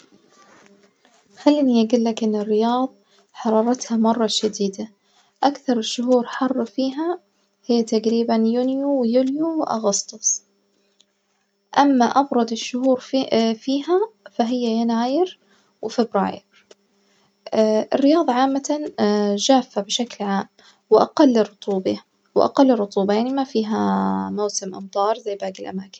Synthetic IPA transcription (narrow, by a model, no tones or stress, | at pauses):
xalːiːniʔaɡuːlːakʔɪnːɪrːɪjɑːðˤ | ħɑɾˤɑːɾˤɑt̪hamɑrˤːɑʃad̪iːd̪a | ʔakθɑɾˤɪʃːʊɦuːɾħɑrˤːfiːɦa | hɪjːat̪aɡɾiːbanjunjuwjuljuwʔɑ̰ɣɑst̪ˤʊsˤ | ʔamːaʔɑbɾˤɑd̪ɪʃːʊhuːɾfiːɦafaɦɪjːajanaːjɪɾ | wɪfɪbɾa̰ːjɪ̰ɾ | ʔɪ̰rːɪjɑːðˤɑʕaːmːat̪aʒaːfːabɪʃaklʕaːm | wɪʔa̰qɑlːrːʊt̪ˤuːbɑ | wɪʔa̰qɑlːɪrˤːʊt̪ˤuːbɑjaʕnimafiːɦamawsɪmʔɑ̰mt̪ˤɑːɾˤzajːbaːɡɪlʔa̰maːkɪ̥n